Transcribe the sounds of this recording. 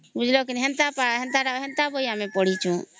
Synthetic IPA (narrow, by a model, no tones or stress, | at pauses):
bud͡ʒʱlokinɦɛnt̪apaɦent̪aɾaɦɛnt̪abojamepɔɽ̤it͡ʃʰũ